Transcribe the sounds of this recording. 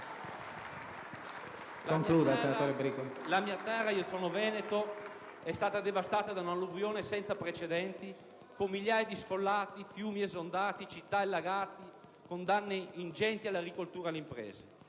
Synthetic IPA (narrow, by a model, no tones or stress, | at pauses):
laoŋkiluːd̪alsenat̪oːɾebɾikolamiːat̪ɛrːaiosoːnovɛːnet̪o | ɛst̪aːt̪ad̪evast̪aːt̪ad̪aunaluvjoːnesɛnt̪sapɾet͡ʃed̪ɛnt̪i | komːiljaːjad̪isfolːaːt̪ifjuːmiesond̪aːt̪it͡ʃit̪ːaelːaɡaːt̪i | kond̪anːeind͡ʒɛnt̪ialːaɡɾikolt̪uːɾaleimpɾɛ̰ːze